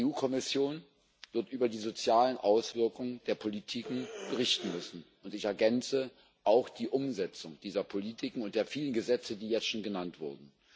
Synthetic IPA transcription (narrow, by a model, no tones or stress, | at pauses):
uːkʰɔmɪsjoːn | v̥ɪɐtʔyːbɐdiːzot͡sjaːlənʔaʊsv̥ɪɐkʊŋənd̥eːɐpʰolitʰiːkŋ̩b̥əʁ̞ɪçtn̩mʏsn̩ʔʊntɪçɛɐɡɛnt͡sə | ʔaʊxd̥iːʔʊmzɛt͡sʊŋd̥iːzɐpʰolitʰɪkŋ̩ʊntd̥eːɐfiːlənɡəzɛt͡sədiːjɛt͡sstʃoːnɡənantv̥ʊɐdn̩